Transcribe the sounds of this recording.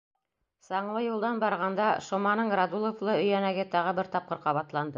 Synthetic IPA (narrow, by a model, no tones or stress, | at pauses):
sɑɴlˠɤjulˠd̪ɑnbɑɾʁɑnd̪ɑʃŏmɑnɤɴɾɑd̪ulˠŏflˠɤɵ̆jænæɡɘt̪ɑʁɤbɘɾt̪ɑp̚qɤɾqɑβɑt̪lˠɑnd̪ɤ